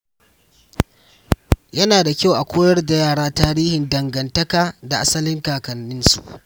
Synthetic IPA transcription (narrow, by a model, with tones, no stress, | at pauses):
jɐ˦naː˨da˨kʲa˦wʔa˨kʷoː˦jɐ˦rda˨jaː˦˨ɽaː˦taː˦ɾiː˦hɪ˨ndɐ˨ŋɡɐ˨ntɐ˦kaː˨da˨ʔa˦sɐ˦lɪ˦ŋkaː˨kɐ˨nːɪ˦nsṵ˨ʔ